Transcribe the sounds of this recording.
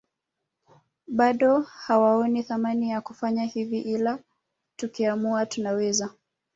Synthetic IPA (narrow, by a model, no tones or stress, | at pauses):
ɓaɗɔhawaɔniθamanijakufaɲahiviʔila | tukiamuatunawɛza